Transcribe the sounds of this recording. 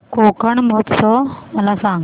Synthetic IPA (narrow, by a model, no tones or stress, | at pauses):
kokəɳməɦət̪sɔməlasãŋɡ